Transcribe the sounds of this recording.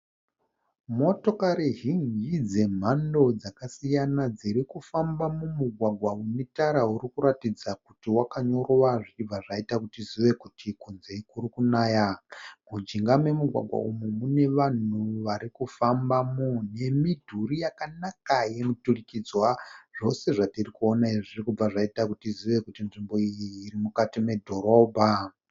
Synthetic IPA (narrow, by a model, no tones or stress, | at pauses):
mo̞to̞kaɾiɦind͡ʒid͡ze̞m̤ando̞d͡zakasijanad͡ziɾikufambamumuɡʱwaɡʱwaunitaɾaɦuɾikuɾatid͡zakutiwakaɲo̞ɾowaʐivaʐaitakutiziʋe̞kutʰikunze̞kuɾikunaːjamud͡ʒiŋɡamwe̞muɡʱwa̰ɡʱwa̰umumune̞ʋan̤uʋaɾikufambamune̞midʱuɾijakanakaje̞muturikid͡zwaʐ̥o̞se̞ʐatirikuonaiʐirikub͡vaʐaitakutiziʋe̞kutinʐimbo̞ijiːɾimukatime̞dʱo̞ɾo̞ːbʱa